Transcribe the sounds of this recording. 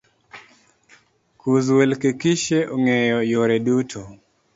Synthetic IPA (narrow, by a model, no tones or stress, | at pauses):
kuzwelkekiʃeʔoŋɛjɔjoɾɛdutʰo